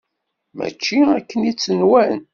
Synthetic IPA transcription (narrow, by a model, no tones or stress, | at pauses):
mæ̰t͡ʃːiækːənit͡sːənwæn